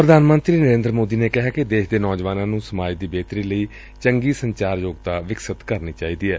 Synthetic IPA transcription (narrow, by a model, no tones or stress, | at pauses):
pɾəd̪aːnmə̃nt̪ɾiːnəɾẽːnd̪ɾəmoːd̪iːneːkɪɦaːkɪd̪eːʃd̪eːnɔːd͡ʒʋaːnãːnũːsəmaːd͡ʒd̪iːbeːt̪ɾiːləiː | t͡ʃəŋɡiːsəɲt͡ʃaːɾjoːɡt̪aːʋɪksət̪kəɾniːt͡ʃaːiːd̪iːɛː